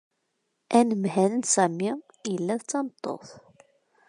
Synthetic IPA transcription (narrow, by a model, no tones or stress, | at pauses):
ʔænəmhænənsæmi | jəlːæðt͡sːɑmət̪ˤːo̰θ